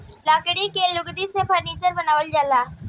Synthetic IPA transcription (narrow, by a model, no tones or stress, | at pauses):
laːkəɽikelʊɡd̪isepʰɐɾniːt͡ʃəɾbɐnaːʋəld͡ʒaːlaː